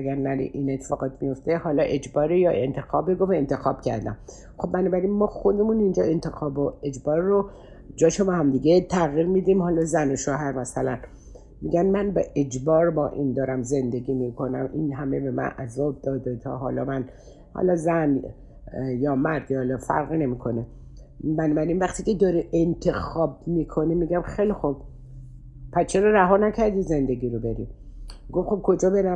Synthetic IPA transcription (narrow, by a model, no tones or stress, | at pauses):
ʔæɡæɾnæɾḭʔinet̪ʰːefɒːɣɒːt̪mijo̞ft̪ehɒːlɒʔe̞d͡ʒbɒːɾejɒːʔe̞nt̪ʰe̞xɒːbeɡovent̪ʰe̞xɒːb̥cʰæ̰ɾd̪æ̰m | xo̞b̚ːbænɒːbæɾinmɒːxod̪e̞muːnind͡ʒɒːent̪ʰexɒːboe̞d͡ʒbɒːɾːo | d͡ʒɒːʃobɛhæmd̪iːɡet̪ʰæɣiɾmiːd̪imhɒːlɒzænoʃɒːɦæɾmæsælæn | miɡʲænmænbḛʔed͡ʒbɒːɾbɒːʔind̪ɒːɾæmze̞nd̪e̞ɡiːmikʰo̞næmʔinɦæmebemæ̰nʔæzɒːb̚d̪ɒːd̪et̪ʰɒ̰ːɦɒ̰ːlɒ̰ːmæn | hɒ̰lɒzæn | jɒːmæɾd̪jːlɒfæ̰ɾɣine̞miːkʰo̞ne | mænbæɾimvæχt̪iːcʰed̪ɒːɾiʔent̪ʰe̞xɒːb̚miːkʰo̞nimiːɡæmxejlixob̥ | pʰæst͡ʃʰeɾɒːɾæɦɒːnæcʰæɾd̪iːze̞nd̪e̞ɡiːɾobe̞ɾḭ | ɡofxob̥̚kʰo̞d͡ʒɒːbe̞ɾæ